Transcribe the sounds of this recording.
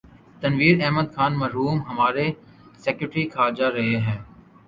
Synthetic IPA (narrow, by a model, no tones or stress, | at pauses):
t̪ənʋiːɾɛɦməd̪xʰaːnmɐɾɦuːmɦəmaːɾe | seːkʊːʈɾikʰaːd͡ʒaɾɐɦeɦɛ̃ː